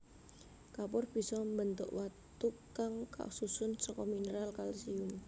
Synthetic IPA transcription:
kapʊrb̥i̤sɔmbənt̪ʊ̰ʔwat̪ukaŋka̰ʔsusʊnsɔkɔminəɾalkalsiʊm

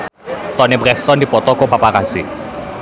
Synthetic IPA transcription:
t̪ɔnebrɛksɔndipɔt̪ɔkopapakasḭ

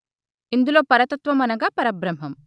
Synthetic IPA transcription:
ind̪ulo̞ːpɐɾɐt̪ɐt̪ʋɐmɐnɐɡaːpɐɾɐbɾɐm̤ːɐm

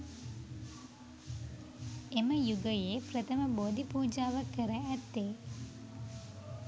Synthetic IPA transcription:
eməjuɡəjeːprət̪əməboːd̪ʱipuːd͡ʒaːʋakːəɾəæt̪ːeː

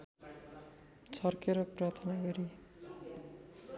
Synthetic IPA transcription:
t͡sʰʌrkʰeɾʌprat̪ʰʌnaɡʌɾi

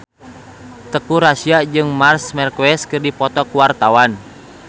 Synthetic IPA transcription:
t̪əkuɾasiad͡ʒɨŋmarsmɛrkuɛskɨrdipɔt̪ɔkuwart̪awan

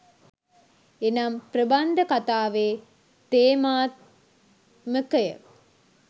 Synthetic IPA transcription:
enamprəband̪əkat̪aːʋeː | t̪eːmaːt̪ | məkəjə̰

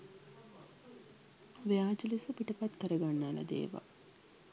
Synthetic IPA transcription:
ʋeaːd͡ʒəlisəpiʈəpat̪kəɾəɡanːaːlɐ̰d̪ḛːʋa̰

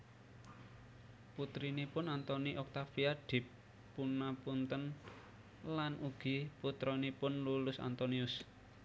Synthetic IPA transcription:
put̪ɾinipʊnant̪ɔniʔɔk̚t̪afiaɖ̥ɪ̤pː | unapunt̪ən | lanʔuɡ̥i̤put̪ɾɔnipʊnlulʊsa̰nt̪ɔniʊs

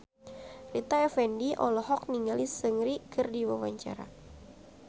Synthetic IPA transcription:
rit̪aɛfɛndiʔɔlɔɦɔk̚niŋɡalisəŋɾikɨrdiwawaɲt͡ʃa̰ɾa̰

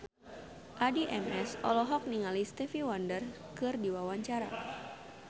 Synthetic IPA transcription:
ʔadiʔɛmɛsɔ̰lɔɦɔk̚niŋalist̪ɛfiwandər | kɨrdiwawaɲt͡ʃaɾa̰

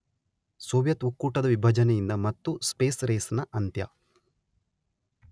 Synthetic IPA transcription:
soːʋjɐt̪ukːuːʈɐd̪ɐʋibʱɐd͡ʒɐnejind̪ɐmɐt̪ːuspeːsɾeːsnɐʔɐnt̪jɐ̰

